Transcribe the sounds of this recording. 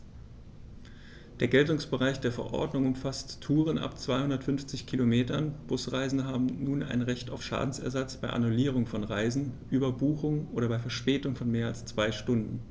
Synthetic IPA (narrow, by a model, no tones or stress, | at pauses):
d̥eːɐɡɛltʊŋsb̥əʁaɪçd̥eːɐfɛɐʔɔ̰ɐdnʊŋʊmfasttʰuːʁ̞ənʔa̰pt͡sv̥aɪhʊndɐtfʏnft͡sɪçkʰilomeːtɐnb̥ʊsʁaɪzn̩dəɦaːbm̩nuːna̰ɪnʁɛçtaʊfʃa̰ːdn̩sɛ̰ɐzat͡sb̥aɪʔa̰nuliːʁ̞ʊŋfɔnʁaɪzn̩ʔybɐbuːxʊŋʔoːɾɐbaɪfɛɐʃpɛːtʊŋfɔnmeːɐalst͡sv̥aɪʃtʊndn̩